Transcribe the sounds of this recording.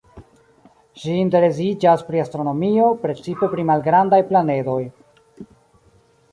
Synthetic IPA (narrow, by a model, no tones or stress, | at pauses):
ʃiːnt̬e̞ɾe̞s̬id͡ʒaspɾiastɾo̞no̞mio̞pɾe̞t͡sipe̞pɾimalɡɾandajplane̞do̞j